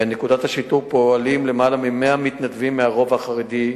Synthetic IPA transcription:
nekudat̪haʃit̪ufpoalimle̞malamimeamit̪nat̪vimːeaʁo̞vaχaʁed̪i

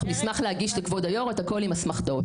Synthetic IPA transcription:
mismaχlehaɡiʃlekvodajo̞ʁet̪ako̞limasmaχdo

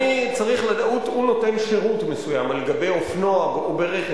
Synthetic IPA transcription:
it͡saʁiχladautuno̞te̞nʃe̞ʁutmesujamaleɡabe̞jofno̞aɡobeʁeχ

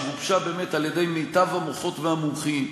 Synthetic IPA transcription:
ʁubʃabe̞ːmetaljede̞jmejtavhamoχo̞tveamumχin

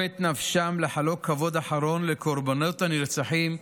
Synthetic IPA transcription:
et̪nafʃamleħalokʰːavod̪aħaɾonlekʰoɾbonot̪aniɾt͡saħim

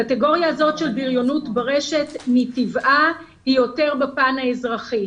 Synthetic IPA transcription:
kateɡo̞ʁjaːzo̞tʃe̞lbiʁjo̞nutbaʁeʃe̞tmitivʔa | hijo̞te̞ʁbepanhaezʁaχi

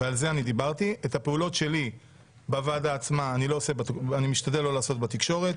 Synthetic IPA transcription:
vealze̞anid̪ibaʁt̪iethapeulo̞tʃe̞li | bavadaːt͡smaːnilo̞ːse̞betanimiʃtadelːo̞laːso̞t̪bet̪ikʃo̞ʁe̞t

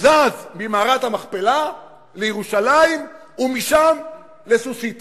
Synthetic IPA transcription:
zazmimaːʁat̪hamaχpela | lejeʁuʃalaim | umiʃam | lesusit̪

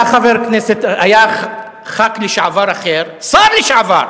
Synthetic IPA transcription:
aχaveɾkneset̪aja | χakleʃʕavaɾaχeɾsaɾleʃʕava̰ɾ

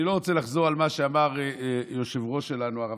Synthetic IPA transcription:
ilo̞ʁot͡selaχzo̞ʁalmaʃeamaʁjo̞ʃevʁo̞ʃe̞lanuaʁa

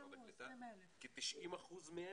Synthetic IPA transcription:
et̪akit̪iʃʔimaχuzme

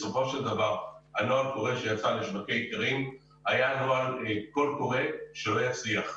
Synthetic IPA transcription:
so̞fo̞ʃeld̪avaʁanoalko̞ʁeʃejat͡saleʃbakejkaʁim | hajanoalko̞lko̞ʁe̞ʃelojat͡sliaχ

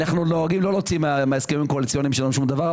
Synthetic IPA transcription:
naχnuno̞aɡimlo̞lo̞t͡simmeaeskevimko̞alit͡sjo̞nimʃelaemʃumd̪ava

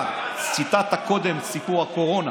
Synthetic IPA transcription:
t͡sit̪at̪ako̞d̪emsipuʁako̞ʁo̞na

